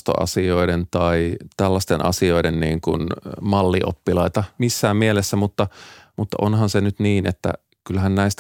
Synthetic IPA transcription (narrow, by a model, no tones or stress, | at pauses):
t̪o̰ʔɑ̰sioident̪ɑit̪ælːɑst̪enʔɑ̰sioidenniːŋkṵnmɑlːiʔo̰pːilɑit̪ɑmisːæːmmielesːæmut̪ːɑmut̪ːɑ̰ʔonɦɑnsenyt̪niːnet̪ːæ̰ | kylhænnæist̪